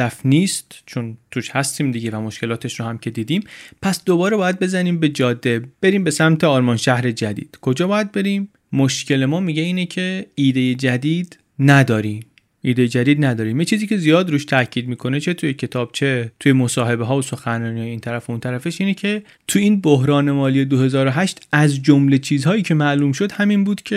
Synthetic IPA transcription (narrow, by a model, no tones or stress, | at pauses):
æfniːst̪t͡ʃʰont̪ʰuʃhæst̪iːmd̪iɡɟevæmo̞ʃce̞lɒːt̪ʰeʃɾohæmcʰe̞d̪iːd̪iːmpʰæsd̪obɒːɾebɒːjæd̪̚be̞zæniːmbe̞d͡ʒɒːd̪ːe̞b̥e̞ɾiːmbe̞sæmt̪ʰe̞ɒːɾmɒːnʃæhɾe̞d͡ʒæd̪ḭːd̪̥kʰo̞d͡ʒɒːbɒːjæd̪̚be̞ɾiːmː | oʃcʰe̞le̞mɒːmiɟeiːnecʰe̞iːd̪e̞je̞d͡ʒæd̪iːd̪ | næd̪ɒːɾim | ʔiːd̪e̞jed͡ʒæd̪iːd̪næd̪ɒːɾiːmjet͡ʃʰiːziːcʰe̞zijɒːd̪ɾuːʃt̪ʰæcʰiːd̪̚miːkʰo̞ne̞t͡ʃʰe̞t̪ʰujecʰe̞t̪ʰɒːb̥̚t͡ʃʰet̪ʰujemosɒːɦe̞beɦɒːoso̞xænɾɒːnihɒːjeiːnt̪ʰæɾæfeunt̪ʰæɾæfeʃiːnecʰe | t̪ʰuiːnboɦɾɒːne̞mɒːlije̞d̪ohe̞zɒːɾoɦæʃt̪ʰæzd͡ʒomle̞t͡ʃʰiːzhɒːjiːcʰemæʔluːmʃo̞d̪hæminbuːd̪̥cʰe